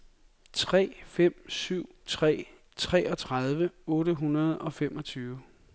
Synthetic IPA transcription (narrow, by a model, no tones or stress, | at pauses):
t͡sʰʁɛ̰ːfem̰syʊ̰t͡sʰʁɛ̰ː | t͡sʰʁɛɒ̽t͡sʰʁað̞ˠʋəɔ̽ːɾəɦunɐð̞ˠɒ̽fem̰ɒ̽t͡sʰyːʊ